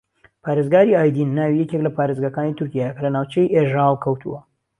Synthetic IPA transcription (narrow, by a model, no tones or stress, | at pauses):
pʰaːɾezɡaːɾiaːjd̪inːaːwijɛkeklɐpaːɾezɡakaːnit̪ʰʊɾkʲijaːjekɐlɐnaːwt͡ʃɐjʔeʒaːlˠkʰɐwt̪ʰṵwɐ